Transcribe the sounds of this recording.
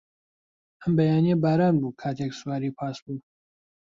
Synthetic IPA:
ʔəmbɐjaːnijɛbaːɾaːnbuːkʰaːt̪ʰeksuwaːɾiːpʰaːsbuː

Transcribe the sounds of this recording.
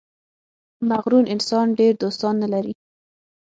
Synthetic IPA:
maɣɾunɪnsɑnɖeɾd̪ost̪ɑnːalaɾi

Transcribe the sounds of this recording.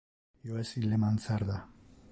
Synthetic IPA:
joesilemant͡saɾða

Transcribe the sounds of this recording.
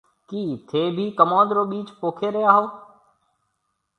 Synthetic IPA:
kiːt̪ʰeːbʱiːkəmãːd̪ɾoːɓiːt͡ʃpoːkʰeːɾeaːɦoː

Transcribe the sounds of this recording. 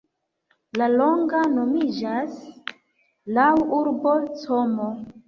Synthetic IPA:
lalo̞ŋɡano̞mid͡ʒas | lawuɾbo̞t͡somo

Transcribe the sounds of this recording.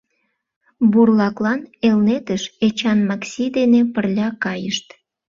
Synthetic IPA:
burlɑklɑnelnet̪əʃet͡ɕɑnmɑksʲid̪enepərlʲɑkɑjəʃt̪

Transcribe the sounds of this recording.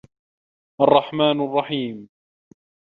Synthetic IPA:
ʔɑrˤːɑħmaːnɑrˤːɑħiːm

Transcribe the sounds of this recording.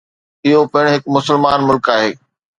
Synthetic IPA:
ɪɦopɐɪɽ̃ɦɪkmʊsəlmaːnmʊlkaːɦeː

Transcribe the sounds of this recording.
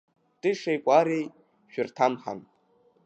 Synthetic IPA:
tʼɨʂejkʷʼaɾej | ʃᶣʏrtʰamχa̰m

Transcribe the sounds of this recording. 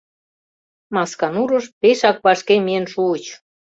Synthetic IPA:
mɑskɑnuɾə̆ʃpeʃɑk̚βɑʃkemeənʃuət͡ɕ

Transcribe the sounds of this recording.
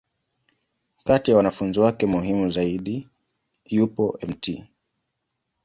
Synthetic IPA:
katijawanafunziwakɛmuɦimuzaiɗi | jupɔɛmtʰi

